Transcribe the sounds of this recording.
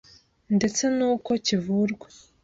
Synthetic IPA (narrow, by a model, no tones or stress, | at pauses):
nde̞t͡se̞nuːko̞civuɾɡwe